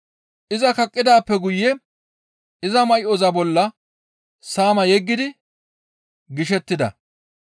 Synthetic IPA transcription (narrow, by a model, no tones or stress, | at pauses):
ʔɪzɐkɐkʼːɪd̪aːpːɛɡʊjːɛ | ʔɪzɐmɐjʔɔzɐbɔlːɐ | saːmɐjɛɡːɪd̪ɪ | ɡɪʃɛt̪ːɪd̪ɐ̰